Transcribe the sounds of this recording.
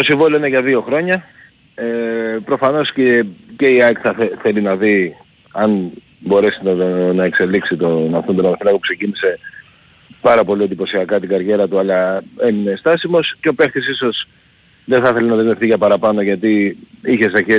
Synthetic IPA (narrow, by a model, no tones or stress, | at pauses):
t̪o̞siɱvolioine̞ʝɐðio̞xɾo̞ɲɐ | epɾo̞fɐno̞scece̞iɐkθɐeθe̞linɐði | ɐn | bo̞ɾe̞sinɐe̞kse̞liksit̪onɐfθond̪onɐmθilɐɣopukse̞cinise̞ | pɐɾɐpo̞liend̪ipo̞siɐkɐt̪iɡɐɾʝe̞ɾɐt̪uɐlɐe̞mine̞st̪ɐsimo̞sceope̞xθisiso̞s | ðeθɐθe̞lenɐðezmefθiʝɐpɐɾɐpɐno̞ʝɐt̪iiçe̞st̪ɐçe